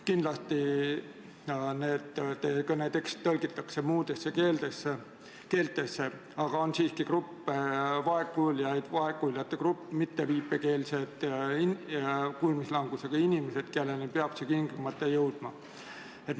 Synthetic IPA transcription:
kind̪lɑst̪i | ne̞ːd̪ekɤnet̪e̞kst̪t̪ːɤlɡit̪ːˑɑksemuːd̪esːekeːld̪ese | ke̞ːlt̪ːˑe̞sːe | ɑɡ̥ɑo̞nsiːskikrupːevɑekːuljɑjd̪̥vɑekːuljɑt̪ːekrupːmit̪ːeviːpːe̞ke̞ːlsed̪̥ikulmislɑŋɡ̥useɡ̥ɑinʲimese̞d̪̥kelːelnepeɑb̥sekiŋɡlumɑt̪ːˑejɤwd̪̥mɑ | et̪

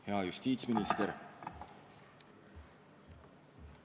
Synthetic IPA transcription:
heɑjust̪iːt̪sminist̪eɾ

